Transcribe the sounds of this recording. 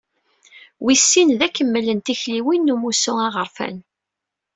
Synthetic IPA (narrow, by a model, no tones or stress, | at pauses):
wisːinðækːəmːəlːənt̪içliwinːumusʊŋɑʁəɾfæ̰n